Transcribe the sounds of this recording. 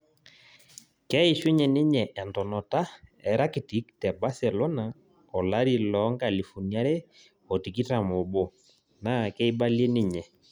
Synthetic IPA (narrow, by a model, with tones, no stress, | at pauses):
kɛ˦i˨ʃwe˦ɲɛ˨nɪ˦ɲɛ˨ʔɛ˨ntɔ˨nɔ˨ta˦ɛ˨ɾa˦ki˨ti˨˦ktɛ˨ba˦sɛ˨lɔ˦na˨ | ɔ˨la˦ɾi˨lɔ˨˦ŋɡa˦˨li˨fu˨ni˨˦a˦ɾe˦ | ɔ˨ti˨ki˦ta˨mo˨bɔ˨ | na˦˨kɛ˦i˦ba˦lje˦ni˦ɲɛ˨